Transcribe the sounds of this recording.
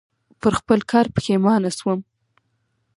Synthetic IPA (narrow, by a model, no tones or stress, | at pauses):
pəɾxpəlkʰɑɾpə̥xemɑnaswəm